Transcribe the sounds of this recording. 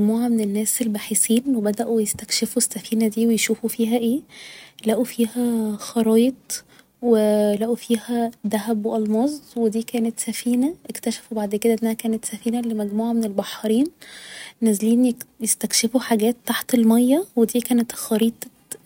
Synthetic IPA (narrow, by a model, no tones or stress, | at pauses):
muːʕamenenːæːselːbaħisiːnwebæd̪æʔujest̪ækʃefuesːæfiːnæd̪iːwejʃuːfufiːɦæʔeːlæʔufiːhæxɑɾˤɑːjet̪̚ˤ | welæʔufiːhæd̪æɦæbweʔɑlmɑːzˤwed̪iːkæːnet̪sæfiːnæʔekt̪æʃæ̥fubaʕd̪ked̪æʔenːæhækæːnet̪sæfiːnælemæɡmuːʕamenelbɑħːɑɾiːnː | æzliːnjjest̪ækʃefuħaɡæːt̪ːaħt̪elmɑjːæwed̪iːkæːnet̪xɑɾiːt̪ˤ